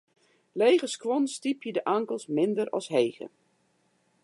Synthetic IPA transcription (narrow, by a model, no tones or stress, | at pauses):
lejɣəskʋɔnstipʰjədəʔaŋkəlˠsmɪndəɾɔ̰sɦeːɣə̰